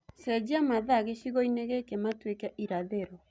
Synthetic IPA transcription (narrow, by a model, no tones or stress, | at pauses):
sɛd͡ʒiamaðaɣeʃiɣɔineɣɛkematwekaʔiɾaðeɾɔ